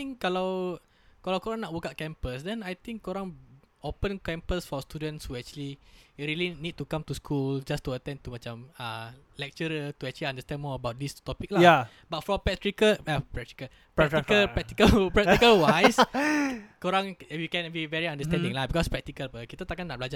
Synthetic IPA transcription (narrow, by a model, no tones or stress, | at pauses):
t̪ĩŋkːalaw | kalawkoɾãŋnaʔ̚wəkaʔ̚kɛ̃mpəsdɛ̃najt̪ĩŋkːoɾãŋopə̃nkɛ̃mpəsfɔst̪udə̃nshuɛk̚t͡ʃəliɹilinid̚tukãmtuskʰuld͡ʒast̪uət̪ɛ̃nt̪umãt͡ʃaməlɛk̚t͡ʃəɾət̪uɛk̚t͡ʃuliãndəst̪ɛ̃nmɔəbawt̚dist̪ɔpik̚laa | bat̚fɔpɛk̚tɹikəapɹɛk̚ti̥kə | pɹɛkkəlpɹɛk̚t̪ikəlpɹɛktikəlwajs | koɾãŋjukɛ̃nbivɛɹiãndəst̪ɛ̃ndĩŋlabikɔspɹɛk̚t̪ikəlpəkit̪at̪akanːaʔblad͡ʒa